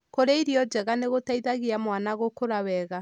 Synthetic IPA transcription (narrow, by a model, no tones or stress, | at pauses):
koɾeiɾjɔd͡ʒɛɣaneɣotaiðaɣiamwanaɣokoɾawɛɣa